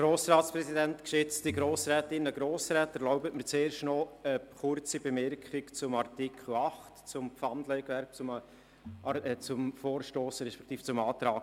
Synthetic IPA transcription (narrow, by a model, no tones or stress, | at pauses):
ɡɾoːsɾɑːtsprɛsidæntkʃʏt͡stiɡɾoːsɾɛːtɪnəɡɾoːsɾɛːtæɾlaʊbətmət͡seːɾʃtnɔəχʊrt͡sibemɪɾkχikt͡sʊmɑrtɪkʰl̩ɑχtt͡sʊmpfɑndlɛɪɡʋɛɾp̚t͡sʊm | t͡sʊmfoːrʃtoːsəɾɛʃpɛ̥kʰt̪iːft͡sʊmɑːt̪ɾɑːk